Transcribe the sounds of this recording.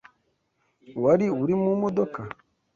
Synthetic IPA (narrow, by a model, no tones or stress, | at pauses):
waɾiuɾimumod̪oka